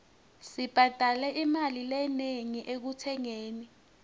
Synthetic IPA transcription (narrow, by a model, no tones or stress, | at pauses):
sib̥ʱad̥ʱalɛʔimalilɛneŋiʔek̬utʰɛŋeːni